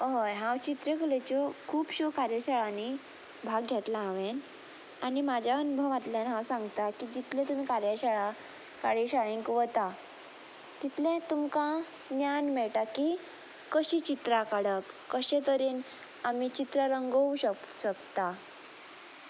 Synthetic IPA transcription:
əɦojɦãwt͡ɕit̪ɾekəlet͡ɕɔkʰuːpɕokaɾjaɕaɭani | bʱaɡɡʱjet̪lãːʋen | aɽ̃imad͡ʑʱaənubʱəʋʋat̪ljanɦãwsãŋɡt̪akiːd͡ʑit̪lẽt̪um̤iːkaɾjaɕaɭa | kaɽiɕaɭẽŋkʋət̪a | t̪it̪lẽt̪umkã | njanmɛɭʈaki | kəɕiːt͡ɕit̪ɾakaɽəkːəɕẽt̪əɾiːn | amit͡ɕit̪ɾəɾəŋɡəwɕə | ɕəkt̪a

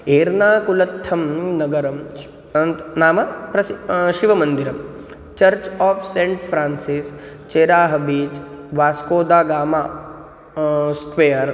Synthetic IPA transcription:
eːɾnaːkulɐt̪ʰːɐmnɐɡɐɾɐm | naːmɐpɾɐʃiʋɐmɐ̃nd̪iɾɐm | t͡ʃɐɾt͡ʃaːpʰsẽɳʈpʰɾaːnsis | t͡ʃeːɾaːɦɐbiːt͡ʃ | ʋaːskoːd̪aːɡaːmaː | skʋejɐɾ

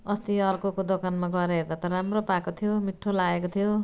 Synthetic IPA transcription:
ʌst̪iʌrkokod̪okanmaɡʌɾeɦerd̪at̪ʌɾɾamropakot̪ʰijomiʈʰːolaɡekot̪ʰijo

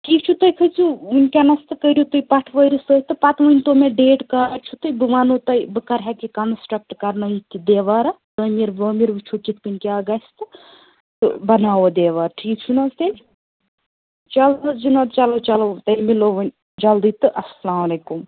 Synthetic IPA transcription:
ʈʰiːk̚t͡ʃʰut̪ɐjkʰɨt͡siunʲkʲanɐst̪ɨkəɾjut̪ujpɐʈʰʋəjɾisət̪ɨpɐt̪ʋɐnʲt̪omeɖeːʈkaɖt͡ʃʰut̪ɨjbɨʋanut̪ɐjbɨkɐɾɦakikɐnsʈɾɐk̚ʈkɐɾnɐit̪id̪eːʋaːɾɐt̪omiɾboːmiɾbɨt͡ʃʰukit̪̚kɨnʲkʲaɡɐst̪ɨ | t̪ɨ̰bɐnaːʋod̪eːʋaɾʈʰiːk̚t͡ʃʰunɐzt̪ɐlʲ | t͡ʃɐlɐd͡ʒinɐt̪t͡ʃɐlot͡ʃɐlot̪ɐlʲmiloʋɐnʲ | d͡ʒɐld̪it̪ɨʔɐslaːmɐlekum

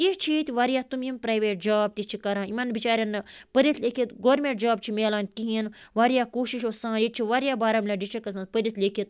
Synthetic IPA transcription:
kit͡ʃʰit̪iʋaːɾijaːt̪umimpɾaːjʋeːʈ̚d͡ʒaːb̚t̪it͡ʃʰikɐɾãːimɐnbit͡ʃaːɾʲjɐnːɐpəɾit̪lʲeːkʰit̪ɡoːɾmeɳʈ̚d͡ʒaːbt͡ʃʰimeːlaːnkiɦinʋaːɾijaːkoːʃiʃoːsãːd͡ʒit͡ʃʰiʋaːɾijaːbaːɾamlʲaːɖit͡ʃikɐt̪ʰãpəɾʲit̪lʲekʰit̪̚

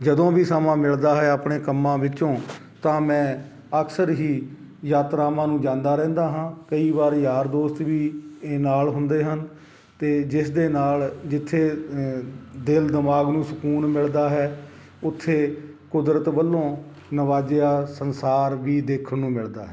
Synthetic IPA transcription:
d͡ʒəd̪õːbiːsəmãːmɪɭd̪aːɦɛːapɳeːkəmːãːʋɪt͡ʃõː | t̪ãːmɛ̃ː | əksəɾɦiː | jaːt̪ɾaːmãːnũːd͡ʒãːnd̪aːɾɛ̃ːnd̪aːɦãːkəiːʋaːɾjaːɾd̪oːst̪ʋiːnaːlɦʊnd̪eːɦən | t̪eːd͡ʒɪsd̪eːnaːld͡ʒɪt̪ʰːeː | d̪ɪld̪ɪmaːɡnũːsʊkuːnmɪɭd̪aːɦɛː | ʊt̪ʰːeː | kʊd̪ɾət̪bəlːõː | nəʋaːd͡ʒejaːsənsaːɾʋiːd̪eːkʰənnːũːmɪɭd̪aːɦɛː

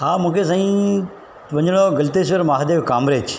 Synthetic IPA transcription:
ɦaːmũːkʰes̬aːĩ | ʋɐɲɽ̃oɡɐlt̪eʃ̬ʋəɾmaːɦd̪eːʋkaːmɾeːd͡ʒ

